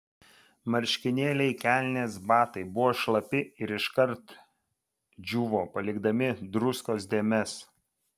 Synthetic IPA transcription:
mɐɾʲʃʲkʲɪnʲeːlʲɛɪkʲælʲnʲeːsbɑːt̪ɐɪbʊʋoːʃlˠɐpʲɪɪɾɪʃkɐɾt̪ | d͡ʒʲuːʋoːpɐlʲɪɡd̪ɐmʲɪd̪ɾʊskoːsd̪ʲeːmʲɛs

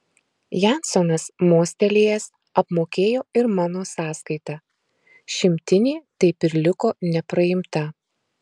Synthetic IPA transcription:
jæˑnsɔnɐsmoːsʲt̪ʲɛlʲiːjɛs | ɐpmoːkʲeːjoːɪɾmɑːnoːsɑːskɐɪt̪ɑː | ʃʲɪmʲt̪ʲɪnʲiːt̪ɐɪpɪɾlʲɪkoːnʲɛpɾɐjɪmt̪ɐ

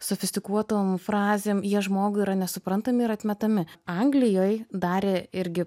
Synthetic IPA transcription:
sofʲɪsʲt̪ʲɪkuɔt̪oːmfɾɑːzʲeːmjiɛʒmoːɡʊiːɾɐnʲɛsʊpɾɐnt̪ɐmʲɪɪɾɐt̪ʲmʲɛt̪ɐmʲɪɐŋɡlʲɪjoːjd̪ɑːɾʲeɪɾʲɡʲɪ

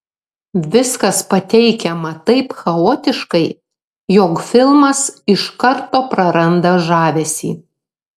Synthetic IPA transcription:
ʋʲɪskɐspɐt̪ʲɛɪkʲɛmɐt̪ɐɪpxɐoːt̪ʲɪʃkɐɪ | joːkfʲɪlˠmɐsɪʃkɐɾt̪oːpɾɐɾɐnd̪ɐʒɑːʋʲɛsʲḭː

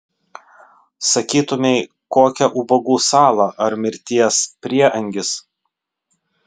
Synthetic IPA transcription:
sɐkʲiːt̪ʊmʲɛɪ | koːkʲɛʔʊbɐɡuːsɑːlˠɐʔɐɾmʲɪɾʲt̪ʲiɛspʲɾʲiɛʔɐŋʲɡʲɪs

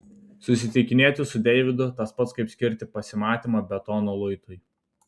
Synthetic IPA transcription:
sʊsʲɪt̪ʲɪkʲɪnʲeːt̪ʲɪsʊd̪ʲɛɪʋʲɪd̪ʊt̪ɐspɐt̪skɐɪpsʲkʲɪɾʲt̪ʲɪpɐsʲɪmɑːt̪ʲiːmɐbʲɛt̪ɔːnolˠʊɪt̪ʊj

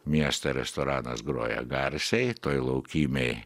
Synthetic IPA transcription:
mʲiɛst̪ɐɾʲɛst̪ɔɾɑːnɐsɡɾoːjɛ̰ɡɑɾsʲɛjt̪oːjlˠɐʊkʲiːmʲej

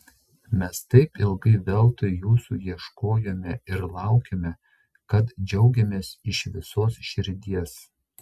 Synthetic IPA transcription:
mʲɛst̪ɐɪpɪlˠɡɐɪʋʲɛlˠt̪oɪjuːsuːjiɛʃkoːjoːmʲɛɪɾlˠɑˑʊkʲemʲɛ | kɐt̪d͡ʒʲɛʊɡʲɛmʲeːsɪʃʋʲɪsoːsʃʲɪɾʲd̪ʲiɛs

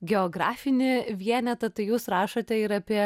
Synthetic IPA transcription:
ɡʲɛoɡɾɑ̰ːfʲɪnʲɪʋʲiɛnʲɛt̪ɐt̪ɐɪjuːsɾɑːʃɐt̪ʲɛɪɾɐpʲiɛ

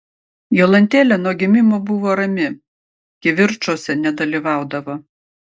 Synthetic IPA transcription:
jolˠɐnʲt̪ʲeːlʲɛnuɔɡʲɪmʲɪmoːbʊʋoːɾɐmʲɪ | ɡʲɪʋʲɪɾt͡ʃoːsʲɛnʲɛd̪ɐlʲiʋɑˑʊd̪ɐʋoː

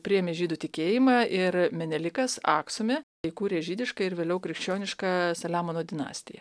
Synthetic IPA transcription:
pʲɾʲɪjɛmʲeːʒʲiːd̪ʊːt̪ʲɪkʲeːjɪmɑʔɪɾmʲɛnʲɛlʲɪkɐsɑ̰ːksʊmʲeː | ɪkuːɾʲeːʒʲiːd̪ʲɪʃkɐɪɾʋʲeːlʲɛʊkɾʲɪkʃʲt͡ʃʲoːnʲɪʃkɐsɐlʲæːmoːnoːd̪ʲɪnɑ̰ːsʲt̪ʲɪ̰jɛ̰

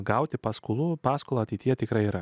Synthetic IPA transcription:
ɡɐʊt̪ʲɪpɑskʊlˠupɑːskoːlˠɐːɐt̪ʲɛɪt̪ʲijɛt̪ʲɪkɾɐɪiːɾɐ

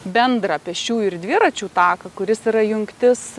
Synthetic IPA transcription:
bʲɛnd̪ɾɑpʲɛʃʲt͡ʃʲuːɪrd̪ʲʋʲiɾɐt͡ʃʲuːt̪ɑːkɐkʊɾʲɪsiːɾɐjʊŋkt̪ʲɪs

